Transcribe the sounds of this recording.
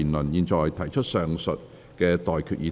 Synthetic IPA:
nlə˨˩njiː˨˧nt͡sɔː˨jt̪ʰɐ˨˩jt͡ʃʰɵ˥t̚sœː˨ŋsə˨t̚ | kɛː˧t̪ɔː˨jkʰyː˨t̚jiː˧˥

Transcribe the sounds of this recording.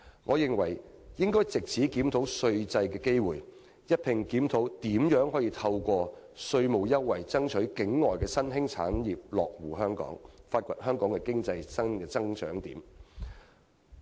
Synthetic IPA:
ŋʔɔː˨˧jɪ˨ŋwɐ˨˩jjɪ˥ŋkɔː˥jt͡sɪ˨k̚t͡sʰiː˨˥kiː˨˥mt̪ʰo˨˥wsɵ˧ɥt͡sɐ˧jkɛː˧ke˥jwuː˨˩j | jɐ˥t̚pʰɪ˨˩ŋkiː˨˥mt̪ʰo˨˥wt̪iː˨˥mjœː˨˥ŋɦɔː˨˥jiː˧t̪ʰɐ˧wkʷɔː˧ | sɵ˧ɥmo˨wjɐ˥wːɐ˨˩jt͡sɐ˥ŋt͡ʃʰɵ˨˥ɥkɪ˨˥ŋːɔː˨jkɛː˧sɐ˥nɦɪ˥ŋt͡sʰa̰ː˨˥njiː˨p̚lɔː˨k̚wuː˨˩ɦœː˥ŋkɔ̰ː˨˥ŋfaː˧t̚kʷɐ˨t̚hœː˥ŋkɔː˨˥ŋkɛː˧kɪ˥ŋt͡sɐ˧jsɐ˥nkɛː˧t͡sɐ˥ŋt͡ʃœ̰ː˨˥ŋt̪iː˨˥m

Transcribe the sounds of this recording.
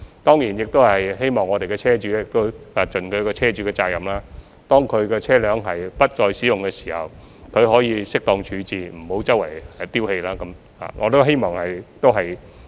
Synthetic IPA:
t̪ɔː˥ŋjiː˨˩njɪ˨k̚t̪o˥whɐ˨jɦe˥jmɔː˨ŋːɔː˨˧t̪e˨jkɛː˧t͡sʰɛː˥t͡ʃyː˨˧˥jɪ˨k̚t̪o˥wa˧t͡ʃɵ˨nkʰɵ˨˧ɥkɔː˧t͡sʰɛː˥t͡ʃyː˧˥kɛː˧t͡saː˧˥k̚jɐ˨˩mlaː˥ | t̪ɔː˥ŋkʰɵ˨˧ɥkɛː˧t͡sʰɛː˥lœː˨˧˥ŋɦɐ˨jpɐ˥t̚t͡ʃɔː˧jsiː˨˥jʊ˨ŋkɛː˧si̥ː˨˩hɐ̰˨w | kʰɵ˨˧ɥɦɔː˨˥jiː˨˧sɪ˥k̚t̪ɔː˧ŋt͡ʃʰyː˨˥t͡siː˨m̩˨˩ho˨˥wt͡sɐ˥wɐ̰˨˩jɛ˧t̪iː˥whe˧jlaː˥kɐ˨˦˥m | ha̰ː˨ŋɔː˨˧t̪o˥wɦe˥jmɔː˨ŋhɐ˨jt̪o˥wɦɐ˨j

